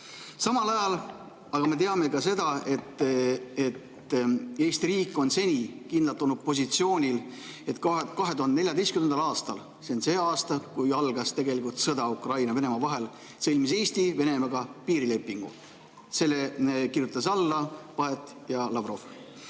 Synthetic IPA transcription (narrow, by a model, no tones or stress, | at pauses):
sɑmɑlɑjɑl | ɑɡ̥ɑme̞t̪̬e̞ɑme̞kɑse̞d̪̥ɑe̞t̪ːe̞t̪ | eːst̪iɾiːkːˑo̞nse̞nʲikind̪lɑt̪ːˑo̞lnud̪̚po̞s̬ʲit̪sio̞ːnʲil | e̞t̪kkɑɦe̞t̪uɦɑnd̪ene̞lʲjɑd̪e̞jstkymend̪ɑlɑːst̪ɑl | seonseːɑːst̪ɑkujɑlɡ̥ɑst̪e̞ɡe̞likult̪sɤd̪̥ɑukrɑjnɑve̞ne̞mɑvɑɦe̞l | sɤ̞lʲmise̞ːst̪ive̞ne̞mɑɡ̥ɑpiːɾile̞pˑːiŋɡ̥ṵ | se̞lːekirjut̪ːˑɑs̬ɑlːɑpɑɦe̞t̪ːˑ | jɑlɑvro̞f